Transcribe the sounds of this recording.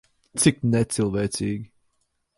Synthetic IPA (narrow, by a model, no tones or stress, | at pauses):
tʰɪk̚nɛtsɪlˠvɛtʰiɡ